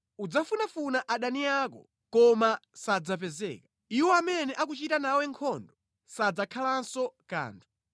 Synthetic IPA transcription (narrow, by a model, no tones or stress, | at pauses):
ud͡zafunafunaʔaɗaniaːkɔ̰ | kɔmasad͡zapɛzɛ̰ːkḁ | iwɔamɛnɛʔak̬ut͡ʃitanawɛŋkʰɔndɔ | sad͡zakʰalansɔka̰ːntʰu̥